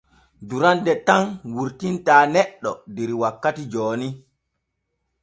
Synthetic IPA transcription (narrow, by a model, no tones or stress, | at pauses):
duɾandɛtanwuɾtintaːnɛɗːɔdeɾiwakːatid͡ʒoːni